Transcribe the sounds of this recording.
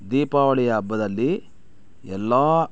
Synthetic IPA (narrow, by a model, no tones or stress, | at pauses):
d̪iːpaːʋɐɭɛjɐːbːɐd̪ɐlːi | ɛlːaː